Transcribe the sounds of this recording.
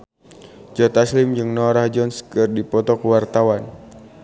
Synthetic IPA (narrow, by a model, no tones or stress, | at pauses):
d͡ʒɔt̪aslɪmd͡ʒɨŋnɔɾahd͡ʒɔnskɨrdipɔt̪ɔkəwart̪awan